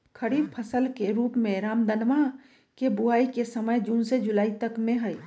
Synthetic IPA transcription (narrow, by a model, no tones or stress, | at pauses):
kʰəɽiːpʰəsəlkeɾuːpmẽɾaːmd̪ənma | kebʊaːikesəməjd͡ʒuːnsed͡ʒʊlaːit̪ɐkmẽɦɐi